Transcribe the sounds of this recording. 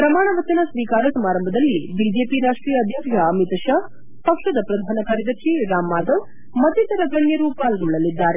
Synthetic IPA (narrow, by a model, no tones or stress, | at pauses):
pɾɐmaːɳɐʋɐt͡ʃɐnɐsʋiːkaːɾɐsɐmaːɾɐmbʱɐd̪ɐlːibid͡ʒeːpiɾaːʂʈɾiːjɐːd̪ʱjɐbʱjɐːmit̪ɐʃaː | pɐkʂɐd̪ɐpɾɐd̪ʱaːnɐkʰaːɾid̪ɐkʃiɾaːmːaːd̪ɐʋ | mɐt̪it̪ɐɾɐɡɐɳjɐɾuːpaːlɡuɭːɐlid̪ːaːɾe